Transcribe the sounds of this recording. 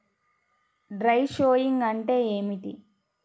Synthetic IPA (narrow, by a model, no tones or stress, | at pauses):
ɖɾɐjʃoːjiŋɡɐɳʈe̞ːeːmiʈḭ